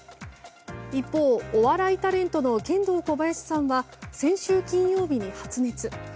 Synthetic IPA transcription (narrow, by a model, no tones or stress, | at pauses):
ipːo̞ːoβaɾait̪aɾẽ̞nt̪o̞no̞kẽ̞nd̪o̞ːko̞bajaɕi̥sãɰ̃βasẽ̞ɰ̃ɕɨːkʲĩɰ̃jo̞ːbʲiɲ̟ihat͡sɨne̞t͡sɨ